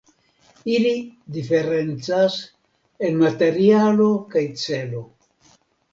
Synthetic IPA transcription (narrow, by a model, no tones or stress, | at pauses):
ilidife̞ɾe̞nt͡sas | e̞nmate̞ɾialo̞kajt͡se̞lo̞